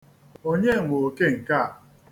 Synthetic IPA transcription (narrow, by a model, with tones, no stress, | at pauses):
o˦ɲe˦˨ŋʷo˨ke˦˨ŋ̩˨ka˦˨a˨